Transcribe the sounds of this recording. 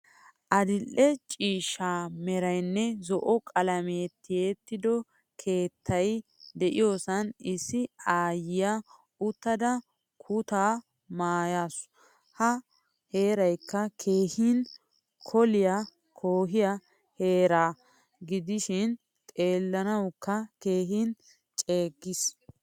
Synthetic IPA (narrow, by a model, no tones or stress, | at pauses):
ʔɐd̪ɪlːɛt͡ʃʼiːʃaːmɛɾɐjnːɛzɔʔɔkʼɐlɐmet̪ːɪjet̪ːɪd̪ɔ | kʰe̞ːt̪ʰːɐjd̪ɛʔɪjo̞ːsɐnɪsːɪaːjɪja | ʊt̪ːɐd̪ɐ | kʰʊt̪aː | maːjaːs | hɐ | he̞ːɾɐjkːɐkʰe̞ːhɪn | kʰɔlɪja | kʰoːɦɪjɐ | he̞ːɾaː | ɡɪd̪ɪʃɪn | t̪ʼe̞ːlːɐnɐwkːɐke̞ːɦɪn | t͡ʃʼe̞ːɡːɪs